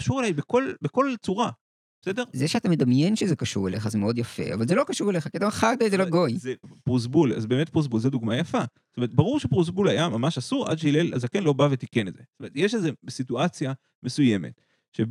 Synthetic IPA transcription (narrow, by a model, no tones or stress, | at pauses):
kaʃuʁelajbeko̞lbeko̞lt͡suʁa | b̥e̥sede̞ʁzeʃeat̪amed̪amjenʃezekaʃuʁeleχazemeo̞d̪jafḛa̰valzelo̞kaʃuʁeleχakiat̪amχaɡd̪ajzeloɡo̞jepʁuz̬bula̰zbeemet̚pʁus̬bulzed̪uɡmajafastome̞et̪̚baʁuʁʃepʁus̬bulajamamaʃasuʁʔa̰d̥̪ʃeilelazakenlo̞bavet̪ikenedz̥estomeet̪jeʃ̬ezebesituat͡sja | me̞sujeme̞̰t | ʃe